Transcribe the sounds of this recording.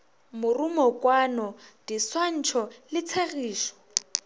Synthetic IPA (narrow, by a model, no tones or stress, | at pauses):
mʊrumɔkwanɔd̥iswan̩t͡ʃʰɔlɪt͡sʰaɣiːʃɔ̥